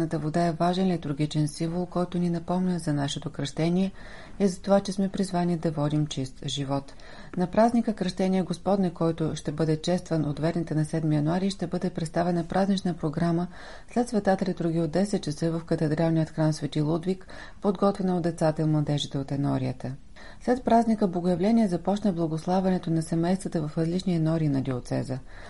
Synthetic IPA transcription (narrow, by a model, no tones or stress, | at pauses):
nət̪əvod̪aɛvaʒɛnlit̪ʊɾɡit͡ʃɛnsimvolˠkɔjt̪ʊninɐpɔmnʲəzɐnaʃɛt̪okɾɐʃt̪ɛnʲiɛ | ɛzɐt̪ovat͡ʃɛsmɛpɾizvanid̪ɐvɔd̪imt͡ʃist̪ʒivɔt̪ | nɐpɾaznikəkɾəʃt̪ɛnʲiɛɡospɔd̪nɛkɔjt̪ʊʃt̪ɛbɤd̪ɛt͡ʃɛst̪vənʔot̪vɛɾnit̪ɛnɐsɛd̪mijɐnuaɾiʃt̪ɛbɤd̪ɛpɾɛt̪st̪avɛnɐpɾʔaznit͡ʃnəpɾoɡɾamə | slɛt̪svɛt̪at̪ɛlid̪ɾuɡʲiod̪ːɛsɛt̪̚t͡ʃəsɤvɐfkɐt̪ɛd̪ɾalˠniət̪xɾansvɛt̪ilˠud̪vik | pod̪ɡɔt̪vɛnoːd̪ɛt̪sat̪əimlˠɐd̪ɛʒɛt̪ɛot̪ɛnɔɾiət̪ə | slɛt̪̚pɾaznʲikəblˠɐɡojɐvlɛnʲiɛzɐpɔt͡ʃnəblˠɐɡoslˠavɛnɛt̪onɐsɛmɛjst̪vət̪əvɐfɾɐzlit͡ʃniɛnɔɾiːnɐd̪iot̪sɛ̰zə